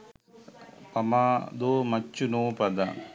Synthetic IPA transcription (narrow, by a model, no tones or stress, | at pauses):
pɐmad̪oːmɐt͡ʃːunoːpɐd̪a